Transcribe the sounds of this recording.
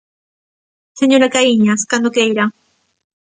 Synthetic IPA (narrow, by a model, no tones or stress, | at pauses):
seɲoɾakajiɲaskand̪okejɾa